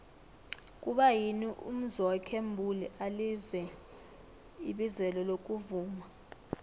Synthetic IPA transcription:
kʼuɓajiniʔṵm̩zɔkʰembʱuliʔalizɛ | iɓizɛlɔlok̬ʼuvuːma

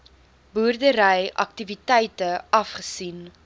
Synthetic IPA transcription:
buːrdəɾəjʔɐ̰ktivitɛjtəɐfχəsin

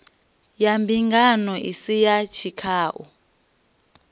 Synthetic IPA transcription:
jambʱiŋɡanɔʔḭsijat͡ʃʰikʰaːʔɔ̰

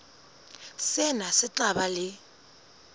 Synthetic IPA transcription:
sɛnasɪt͡ɬabalɪ

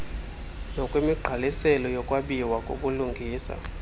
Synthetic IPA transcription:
nɔkʼwimiɡ͡ǃʱalisɛlɔjɔkʼwaɓiwakʼoɓuluŋɡʱiːsa̰

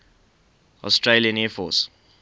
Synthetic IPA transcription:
ɔ̰stɹeliə̃nɛfɔ̰ːs

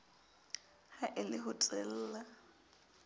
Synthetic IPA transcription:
haʔɪlɪɦʊtʼɛl̩ːla

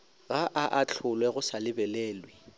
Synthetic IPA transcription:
ɣaʔaʔat͡ɬʰʊlwɛɣʊsalɪbɛleːlwɪ

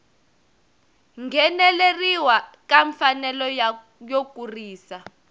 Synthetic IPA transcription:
ŋɡʱɛnɛleriwakaɱfanɛlɔ | jokʼuriːsa

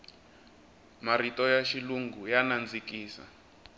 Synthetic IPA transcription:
maɾitɔjaʃiluŋɡujanand͡zikʼiːsa̰

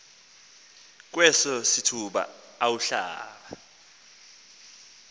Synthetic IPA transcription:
k̬wɛsɔsitʰuɓa̰ | awuɬa̰ːɓa

